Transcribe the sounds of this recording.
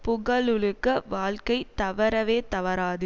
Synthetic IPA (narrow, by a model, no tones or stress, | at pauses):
pʊɣɐɭɯɭɯkːɐʋaːlkɐɪt̪ɐʋɐɾɐʋeːt̪ɐʋɐɾaːðɯ